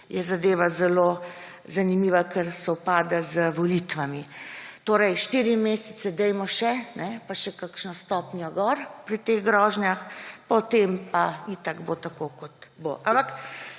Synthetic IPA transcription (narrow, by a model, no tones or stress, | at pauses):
jɛzad̪eːʋazɛlo | zanimiːʋakɛɾsɛupaːd̪azəʋɔlit̪ʋamit̪oːɾɛjʃt̪iɾimeːsɛt̪sɛd̪ɛjmɔʃɛnɛpaʃɛkakʃnɔst̪ɔːpnjɔɡɔɾpɾit̪eːɣɡɾɔʒnjaxpɔt̪empait̪aɡbot̪akokɔt̪bo̰ʔampak